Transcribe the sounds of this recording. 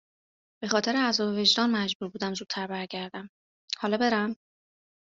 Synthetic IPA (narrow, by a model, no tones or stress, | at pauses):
b̥e̞xɒːt̪ʰe̞ɾeæzɒːbeve̞d͡ʒd̪ɒːnmæd͡ʒbuːɾbuːd̪æmzuːt̪̚t̪ʰæɾbæɾɟæɾd̪æm | hɒːlɒːbe̞ɾæm